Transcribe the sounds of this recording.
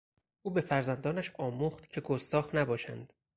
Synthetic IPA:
ʔuːbe̞fæɾzænd̪ɒːnæʃɒːmuːχt̪cʰe̞ɡost̪ɒːxnæbɒːʃæ̰nd̪̥

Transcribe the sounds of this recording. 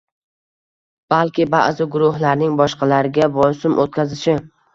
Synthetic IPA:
b̥alkʲɪba̰ʔzɪɡʊɾʊhlaɾnɪŋbɒʃqʰɑlaɾɪɡʲabɒjsɪmʔot̪̚kʲʰazɪʃɪ

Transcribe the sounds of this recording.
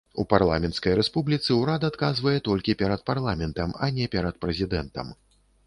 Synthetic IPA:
uparlˠa̰mʲɛnt̪skɐjɾɛspublʲit̪sɨwɾad̪ɐːt̪kazvɐjɛt̪ɔlʲkʲipʲɛɾɐt̪̚parlˠamʲɛnt̪ɐma̰nʲɛpʲɛɾɐt̪̚pɾɛzʲid̪ɛnt̪ɐ̰m

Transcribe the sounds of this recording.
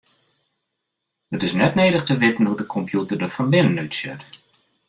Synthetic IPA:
ətɪsnɛtneːɾəχtəʋɪtən̩ɦudəkʰɔmpʰjutədəfɔnʋɪnənøtsjɪ̰t

